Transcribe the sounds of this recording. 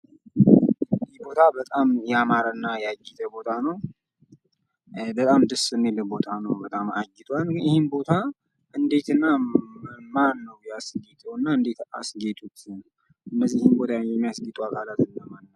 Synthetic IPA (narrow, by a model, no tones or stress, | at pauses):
ɨd̪ibo̞t̪ʰabət̪ʼamjɛamaɾənːajaɡit̪ʰəbo̞t̪ʰanəw | bət̪ʼamd̪ɨsɨnːeləbo̞t̪ʰanəwbət̪ʼamaɡːɪt̪ʰʼwanjɪhɪnbo̞t̪ʰa | ʔɨnd̪e̞t̪ɨnːa | manːəwjasɡet̪ʼɛwnːaɨnd̪e̞t̪a̰sɡet̪ʼut͡ʃːn | ʔɨnːəzːijɪhimbo̞t̪ʰajɛmːijasɡit̪ʼuakʰʼalat̪ɨnːəmanː